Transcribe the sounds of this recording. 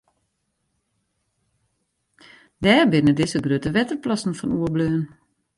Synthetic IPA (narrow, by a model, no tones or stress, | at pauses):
d̪æːɹbɪnədɪsəɡɾøːtəʋɛtəɾplɑsn̩fɔnuːəbløːən